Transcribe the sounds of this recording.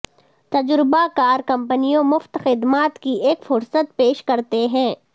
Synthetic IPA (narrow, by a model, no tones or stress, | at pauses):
t̪ɐd͡ʒɾɪbakaːɾkɐ̃mpənijõmʊft̪xɪd̪maːt̪kiʔeːkfʊɾsət̪̚peːʃkɐɾt̪eɦɛ̃ː